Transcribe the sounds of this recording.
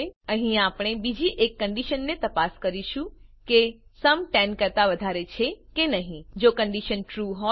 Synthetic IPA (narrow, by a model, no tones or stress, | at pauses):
ə̃ɦĩapɽ̃ebid͡ʒiʔekːəɳɖiʃənːet̪əpaskəɾiʃũkesəmʈɛnkəɾt̪aʋəd̪ʱaɾet͡ʃʰekenəɦĩd͡ʒokəɳɖiʃənʈɾuɦo